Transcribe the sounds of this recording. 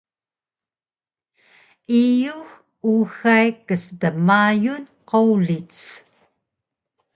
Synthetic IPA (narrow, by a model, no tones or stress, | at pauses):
ijuɣ | uxajkəsdəmajun | qowlit͡s